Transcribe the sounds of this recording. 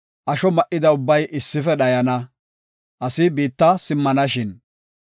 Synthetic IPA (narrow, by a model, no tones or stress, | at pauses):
ʔɐʃɔmɐʔɪd̪ɐʊbːɐjʔɪsːɪfɛɗɐjɐnɐ | ʔɐsɪbiːt̪ːɐsɪmːɐnɐʃɪn